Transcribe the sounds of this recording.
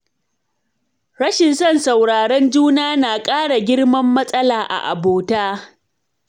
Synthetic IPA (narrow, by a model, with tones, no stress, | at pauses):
ɽɐ˦ʃɪ˨nsɐ˦˨nsa˨wɽaː˨ɽɐ˦nd͡ʒuː˦naː˦naː˨kʼaː˦ɽa˨ɡʲɪ˦ɽmɐ˦mːɐ˦sʼɐ˦laː˨ʔa̰˨ʔa̰˨boː˨taː˦